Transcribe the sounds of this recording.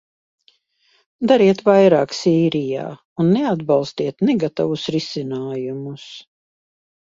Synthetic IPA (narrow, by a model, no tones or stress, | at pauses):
d̪aɾiɛt̪vajɾaːksiːɾija̰ː | unːɛad̪balˠst̪iɛt̪nɛɡat̪avusɾisinaːjumus